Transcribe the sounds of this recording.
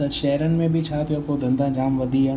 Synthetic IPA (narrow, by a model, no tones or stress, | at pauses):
əʃɛɦɾənɪ̆mẽbʱit͡ʃʰaːt̪ʰijõpod̪ʱɐ̃nd̪ãd͡ʒaːmʋɐd̪ʱiɦa